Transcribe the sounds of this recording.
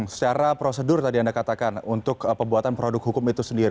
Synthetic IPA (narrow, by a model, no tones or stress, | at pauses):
sə̥t͡ʃaɾapɾosədʊrt̪adiandakat̪akanunt̪ʊkpəbuat̪anpɾodʊk̚ɦukʊmit̪usəndiɾi